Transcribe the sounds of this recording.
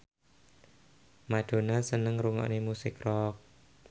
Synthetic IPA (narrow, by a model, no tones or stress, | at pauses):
maɖ̥o̤nasənəŋɾuŋɔ̰ʔnemusɪkrɔk̚